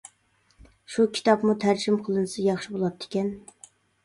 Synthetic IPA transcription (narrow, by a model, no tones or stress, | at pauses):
ʃukʲʰi̥t̪ʰɑpmut̪ʰæɾd͡ʒimqʰəlˠɨnɨsɨjɑχʃibolˠɑt̪ʰːɪ̥kʲɛn